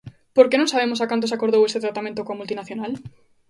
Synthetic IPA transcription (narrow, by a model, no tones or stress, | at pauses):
poɾkenõŋsaβemosakant̪osakoɾðowest̪et̪ɾat̪amẽnt̪okõamult̪inaθjonal